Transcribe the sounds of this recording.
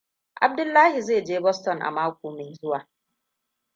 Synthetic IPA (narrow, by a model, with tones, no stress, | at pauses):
ʔa̰˨b̚dʊ˦lːaː˦ɦi˨zeː˦˨d͡ʒeː˦bɔ˦stɔ˨nʔa̰˨maː˦kʷuː˨me˨zʊ˦waː˨